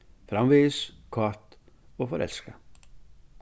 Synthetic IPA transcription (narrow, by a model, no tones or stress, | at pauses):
fɾamʋeskʰɔrt̪ | ɔfɔɾʔɛ̰lska